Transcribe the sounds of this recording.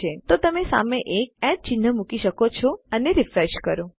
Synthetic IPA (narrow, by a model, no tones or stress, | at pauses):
et̪ot̪əmesa̰meʔek̚ɛɖ̚t͡ʃɪn̤ːəmukiʃəkot͡ʃʰɔəneɾifɾeʃkəɾõ